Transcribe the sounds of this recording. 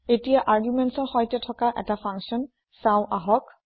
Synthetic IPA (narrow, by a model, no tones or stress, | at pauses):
etijaʔaɹɡjumɛntsɔɹxɔjtɛtʰɔkaʔɛtapʰaŋksiɔn | sãʊ̃ʔaɦɔk